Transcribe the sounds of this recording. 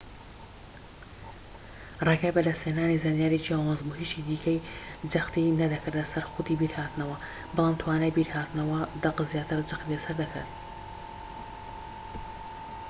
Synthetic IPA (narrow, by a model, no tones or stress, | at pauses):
rekabɐd̪ɐsteːnaːnizaːnijaːɾit͡ʃiaːwaːnzbuɦiːt͡ʃid̪iːkʰɐjd͡ʒɐxt̪inɐd̪ɐkʰat̪lɐsɐɾxʊd̪ibiɾhaːt̪ɨnɐwɐ | bɨlˠaːmt̪ʰwaːnaːjbiɾhaːt̪nɐwɐd̪ɐqzjaːt̪ʰɨɾd͡ʒɐxt̪ilɐsɐɾd̪ɐkʰa̰t̪